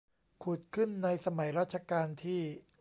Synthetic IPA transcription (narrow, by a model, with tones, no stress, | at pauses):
kʰu˨˩t̪̚kʰɯ˥˩nːa˧jsa˧ma˩˦jɾaː˥˩t̪̚t͡ɕʰa˧kaː˧nt̪ʰiː˥˩